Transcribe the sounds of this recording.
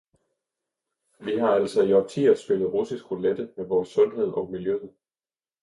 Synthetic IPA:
ʋiɦɑ̈æl̰sɒjɒt͡sʰḭːɐsb̥e̝ləð̞̩ˠʁusisɡ̥ʁoled̥əmeʋɒːsːɔ̽nɦe̝ð̞̰ˠɒ̽ʊmiljøðð̩ˠ

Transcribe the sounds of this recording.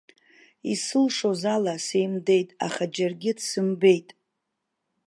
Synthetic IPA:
isɨlʂozalase̞jmde̞jtʼa̰χad͡ʒarɡʲɪdsɨmbe̞jtʼ

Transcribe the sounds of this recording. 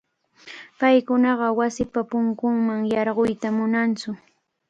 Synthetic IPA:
pajkʊnɑɢɑwasɪpapʊŋkʊŋmaŋjɑɾɢojt̪amʊnant͡sʊ

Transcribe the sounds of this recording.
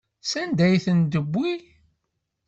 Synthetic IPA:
sænd̪æjθənd̪əbʷːi

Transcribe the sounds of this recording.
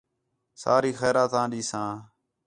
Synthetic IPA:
sa̰ːɾiːxɛːɾaːt̪ãːɗiːsãː

